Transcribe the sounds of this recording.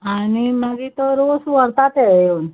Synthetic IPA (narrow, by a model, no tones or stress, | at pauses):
animaɡit̪oɾosũəɾt̪at̪ejon